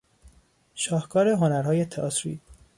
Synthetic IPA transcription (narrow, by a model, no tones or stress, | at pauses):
ʃɒːhkʰɒːɾe̞ɦonæɾɦɒːjet̪ʰeʔɒt̪ʰɾḭː